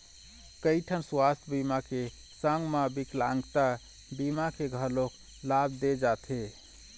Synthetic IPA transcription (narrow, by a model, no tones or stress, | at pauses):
kəjʈʰənswast̪ʰbimake | səŋɡmabiklaŋɡt̪a | bimakeɡʱəlok | labʱd̪ed͡ʒat̪ʰe